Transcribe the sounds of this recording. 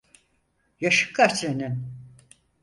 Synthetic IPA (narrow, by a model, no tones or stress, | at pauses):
jaʃɯ̥kʰːat͡ʃenin